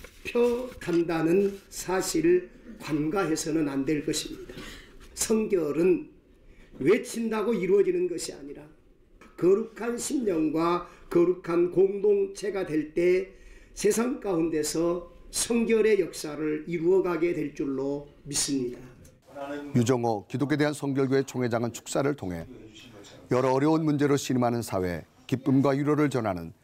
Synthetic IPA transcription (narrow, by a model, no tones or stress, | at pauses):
pʰjʌkʰandanɯnsʰaɕʰiɾkwanɡaɦe̞sʰʌnɯnandwe̞ɭk͈ʌɕʰimɲid̥asʰʌŋɡjʌɾɯn | we̞t͡ɕʰindaɡoiɾuʌd͡ʑinɯnɡʌɕʰia̰ɲiɾa | kʌɾukʰanɕʰimɲʌŋɡwakʌɾukʰankoŋdoŋt͡ɕʰe̞ɡadwe̞ɭt͈e̞sʰe̞sʰaŋk͈aunde̞sʰʌsʰʌŋɡjʌɾe̞jʌk̚s͈aɾɯɾiɾuʌɡaɡe̞dwe̞ɭt͡ɕ͈uɭːo | mis͈ɯmɲida | jud͡ʑʌŋʌkidok̬ʰe̞de̞ɦansʰʌŋɡjʌɭɡuet͡ɕʰoŋɦe̞d͡ʑaŋɯnt͡ɕʰu̥k̚s͈aɾɯɭtʰoŋɦe̞ | jʌɾʌːɾjʌunmund͡ʑe̞ɾoɕʰiɾmɦanɯnsʰawe̞̰ | kip͈ɯmɡwajuɾʌɾɯɭt͡ɕʌnɦanɯ̰n